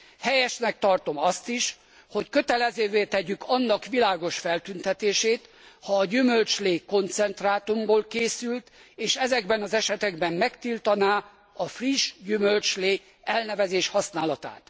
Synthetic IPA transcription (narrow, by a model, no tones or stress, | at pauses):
hɛjɛʃnɛk̚t̪ɒrt̪o̞mɒst̪iʃ | ho̞ckøt̪ɛlɛzøːveːt̪ɛɟykʰɒnːɒkʋilaːɡo̞ʃfɛlt̪ynt̪ɛt̪eːʃeːt̪hɒːɟymø̞lt͡ʃleːko̞nt̪sɛnt̪raːt̪umboːlkeːsylt̪eːʃɛzɛɡbɛnɒzɛʃɛt̪ɛɡbɛmːɛkt̪ilt̪ɒnaː | ɒfriʒɟymølt͡ʃleː | ɛlnɛvɛzeːʃhɒsnaːlɒt̪a̰ːt̪